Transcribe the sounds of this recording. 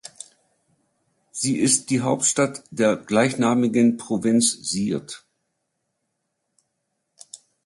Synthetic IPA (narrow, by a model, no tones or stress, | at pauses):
z̥iːʔɪst̚d̥iːɦaʊp̚tʃtatd̥eːɐɡlaɪçnaːmɪɡənpʁ̥ovɪnt͡sz̥iːɐt